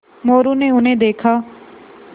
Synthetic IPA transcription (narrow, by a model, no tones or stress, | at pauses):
moːɾuːneːʊnẽːd̪eːkʰaː